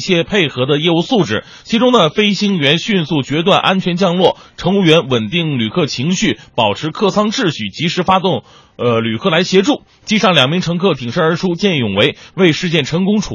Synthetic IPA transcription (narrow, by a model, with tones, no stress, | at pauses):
ɕjɛ˥pʰe˥˩ɪxɤ˧˥d̪ə˧jɛ˥˧u˥˧su˥˩ʈ͡ʂɻ̩˨˩ | t͡ɕʰi˧˥ʈ͡ʂʊ˥ŋnə˨fe˥ɪɕi˥ŋɥɛ˧˥nɕy˥˧nsu˥˩t͡ɕɥɛ˧˥t̪̬wa˥˩nʔa˥nt͡ɕʰɥɛ˧˥nt͡ɕjɑ˥˧ŋlwɔ˥˩ | ʈ͡ʂʰɤ˧˥ŋu˥˩ɥɛ˧˥nwə˨˩nt̪i˥˩ŋly˨˩kʰɤ˥˩t͡ɕʰi˧˥ŋɕy˥˩pɑ˨˩ʊʈ͡ʂʰɻ̩˧˥kʰɤ˥˩sʰɑ˥ŋʈ͡ʂɻ̩˥˩ɕy˨˩t͡ɕi˧˥ʂɻ̩˧˥fa˥t̪ʊ˥˩ŋ | ə˧ly˨˩kʰɤ˥˩la˧˥ɪɕjɛ˧˥ʈ͡ʂu˥˩ | t͡ɕi˥ʂɑ˥˩ŋljɑ˨˩ŋmi˧˥ŋʈ͡ʂʰɤ˧˥ŋkʰɤ˥˩t̪ʰi˨˩ŋʂə˥ə˞˧˥ʈ͡ʂʰu˥t͡ɕjɛ˥˩njʊ˨˩ŋwe˧˥ɪwe˥˧ɪʂɻ̩˥˧t͡ɕjɛ˥˩nʈ͡ʂʰɤ˧˥ŋkʊ˥ŋʈ͡ʂʰu˨˩